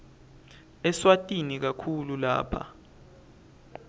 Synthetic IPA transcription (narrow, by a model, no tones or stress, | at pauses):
ɛswatʼinik̬akʰulula̰ːpʰa̰